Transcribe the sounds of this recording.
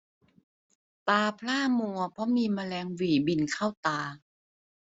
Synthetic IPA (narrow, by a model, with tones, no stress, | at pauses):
t̪aː˧pʰlaː˥˩mu˧ɐpʰɔ˧˦˥miː˧maː˧lɛː˧ŋwiː˨˩bi˧˩nkʰa˥˩wt̪aː˧